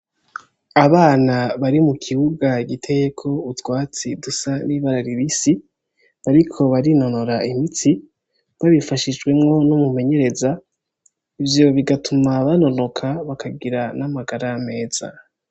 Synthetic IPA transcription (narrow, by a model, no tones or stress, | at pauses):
aβaːnaβaɾimukʰiβuɡaɡitʰe̞jekʰo̞utwaːt͡sidusaniβaɾaɾiβisi | aɾikʰo̞βaɾino̞no̞ɾaimit͡si | βaβifaʃiʒɡwe̞mŋo̞nomume̞ɲe̞ɾe̞za | ivjoβiɡatʰumaβano̞no̞kʰaβakʰaɡiɾanamaɡaɾaame̞ːz̥a̰